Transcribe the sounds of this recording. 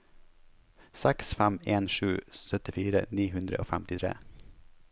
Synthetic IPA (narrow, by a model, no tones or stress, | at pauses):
sɛksfɛmeːnʂʉːsœt̪ɪfiːɾə̰niːɦʉnd̪ɾəʔo̰ːfɛmt̪ɪt̪ʰɾḛː